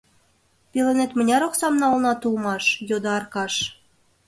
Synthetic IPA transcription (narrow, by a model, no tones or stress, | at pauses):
pelenet̪mə̆nʲɑɾoksɑmnɑulnɑt̪ulmɑʃjod̪ɑɑrkɑʃ